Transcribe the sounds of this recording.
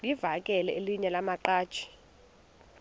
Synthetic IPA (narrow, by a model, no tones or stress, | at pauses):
livak̬ʼɛlɛeliɲɛlamaǃḁːt͡ʃʰʼi̥